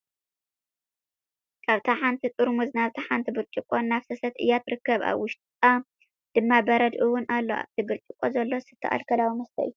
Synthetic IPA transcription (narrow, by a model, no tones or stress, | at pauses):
kʰaβt̪ʰaħant̪ʰit̪ʼɨɾumɨznaβt̪ʰɐħant̪ʰibɨɾt͡ʃʼɪkʼːonːaβsɐsɐt̪ɨ̰jat̪ɾɨkːɐβa̰βwʊʃt̪̚ʼt̪ʼa | d̪̥ɨmːabɐɾɐd̪ʔɨwʊnʔalːo̞a̰βt̪ʰɨɡɨɾt͡ʃʼɪkʼːozɐlːo̞sɨt̪ʰːɐʔa̰lkʰɐlawimɐst̪ʰɐ̰ʔɨju